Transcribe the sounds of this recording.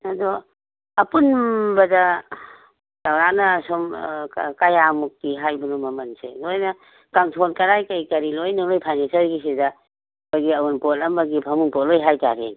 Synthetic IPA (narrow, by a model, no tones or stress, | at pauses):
ɐdɔ | ɐpunbɐda | tawɾanɐsɔmkajamuk̚ːiɦajbunumɐmɐnsḛdojna | kamtʰonkɐɾajkajkɐɾilojnaŋlojpʰajnensɐɾɡisida | baɡiɐwunpolɐmbɐɡipʰamuŋpɔt̚lojɦajta̰ɾḛŋ